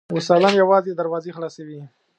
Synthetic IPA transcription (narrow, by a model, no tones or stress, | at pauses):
wʊsɑlamjawɑzed̪aɾwɑzexlɑsawi